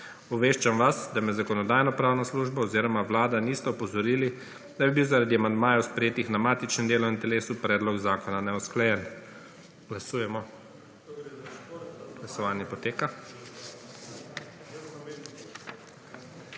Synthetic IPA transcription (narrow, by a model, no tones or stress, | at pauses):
uʋeːʃt͡ʃamʋasd̪amɛzakɔnɔd̪aːjnɔpɾaːwnasluːʒbaɔziːɾɔmaʋlaːd̪aniːst̪ɛɔpɔzɔɾiːli | d̪̥abibiwzaɾad̪iamand̪maːjɛwspɾɛjeːt̪ixnamaːt̪it͡ʃnɛmnd̪eːlɔint̪ɛleːsupɾɛːd̪lɔɡzaːkɔnanɛɔsklajɛn | ɡ̥lasuːjɛmɔ | ɡ̥lasɔʋaːnjɛpɔt̪eːka